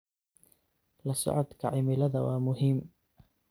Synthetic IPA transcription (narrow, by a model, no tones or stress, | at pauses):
lɐsɔ̰ʕɔd̪kʰɐʕɪmɪlɐðɐwɑːmʊɦiːm